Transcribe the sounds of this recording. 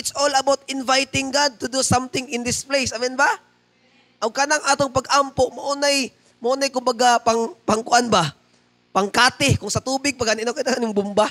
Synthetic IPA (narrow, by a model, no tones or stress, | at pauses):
ʔɪt̪sʔolɐbawt̪̚ɪnvajt̪ɪŋɡad̪̚t̪ʊd̪usãmt̪ɪ̃ŋɪ̃nd̪ɪsplejsɐmɛnba | ʔɐɡkanɐŋʔaːt̪oŋpɐɡʔampoʔmɐʔonaj | mɐʔonɐjkʊmbɐɡapɐŋpɐŋkʊʔanba | pɐŋkaːt̪ɪkʊŋsɐt̪uːbɪɡ̚pɐɡanɪnokɐjnaŋanjʊŋbʊmba